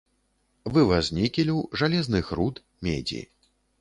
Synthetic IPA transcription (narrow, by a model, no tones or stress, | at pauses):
vɨvazʲnʲikʲilʲiwʐalʲɛznɨxɾut̪ | mʲḛd͡zʲḭ